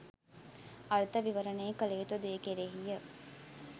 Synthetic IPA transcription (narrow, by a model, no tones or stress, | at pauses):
ɐɾt̪əʋiʋəɾəneːkəlejut̪ud̪eːkeɾeɦijə